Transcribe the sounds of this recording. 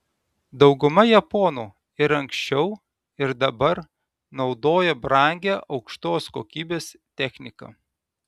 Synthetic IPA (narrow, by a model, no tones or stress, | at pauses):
d̪ɒʊɡʊmɐjɛpɔːnuː | ɪɾɐŋʲksʲt͡ʃʲɛʊ | ɪɾd̪ɐbɐɾ | nɒʊd̪oːjɛbɾɑˑŋʲɡʲæʔɒʊkʃt̪oːsko̰ːkʲiːbʲeːst̪ʲɛxʲnʲɪkɐ̰ː